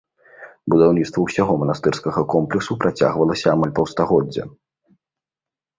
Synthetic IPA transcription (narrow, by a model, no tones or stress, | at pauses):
bud̪awnʲit̪st̪vɐwsʲaɣɔmɐnast̪ɛrskɐɣɐkɔmplʲɛksupɾʔat͡sʲa̰ɣvɐlˠɐsʲɐːmalʲpɐwst̪aɣɔd͡zʲːɐ̰